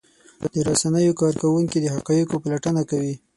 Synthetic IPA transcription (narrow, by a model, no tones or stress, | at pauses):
d̪̥əɾasanəjokɑɾkawuŋkid̪əhaqɑjikopalaʈənakawi